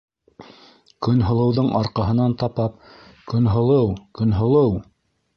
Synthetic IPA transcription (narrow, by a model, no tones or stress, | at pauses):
kɵ̆nɦŏlˠɤ̆wðɤɴʔɑɾqɑɦɤ̆nɑnt̪ɑpɑp̚kɵ̆nɦŏlˠɤwkɵ̆nɦŏlˠɤw